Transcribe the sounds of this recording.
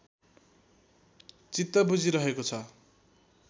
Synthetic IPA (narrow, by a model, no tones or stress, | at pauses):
t͡sit̪ːʌbud͡ziɾʌɦekot͡sʰʌ